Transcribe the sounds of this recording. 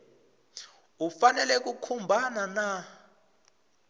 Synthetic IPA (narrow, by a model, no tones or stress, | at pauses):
ufanɛlɛk̬ukʰumbʱanana